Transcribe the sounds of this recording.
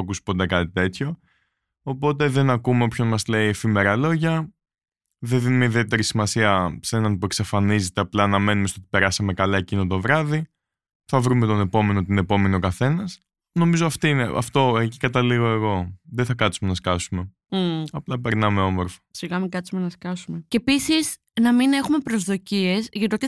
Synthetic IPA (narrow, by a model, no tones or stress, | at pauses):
ɐkusu̥po̞t̪e̞kɐt̪it̪e̞t̪ço̞ː | po̞t̪e̞ðe̞nɐkume̞o̞pçonmɐzle̞iefime̞ɾɐlo̞ʝɐ | ðeðinumeiðie̞t̪e̞ɾisimɐsiɐsenɐnpue̞ksɐfɐnize̞t̪e̞ɐplɐːnɐme̞numest̪ot̪i̥pe̞ɾɐsɐme̞kɐlɐecino̞t̪o̞vɾɐði | θɐvɾume̞t̪o̞ne̞po̞me̞not̪ine̞po̞me̞nio̞kɐθe̞nɐs | no̞mizoɐft̪iineʔɐ̰ft̪o̞ecikɐt̪ɐliɣo̞e̞ɣo̞ðeθɐkɐt̪sume̞nɐskɐsume̞ | ɐplɐpe̞ɾnɐme̞o̞mo̞ɾfo̥siɣɐmiɡɐsumenɐskɐsumeceepisis | nɐmine̞xume̞pɾo̞zðo̞cie̞zʝɐt̪iot̪i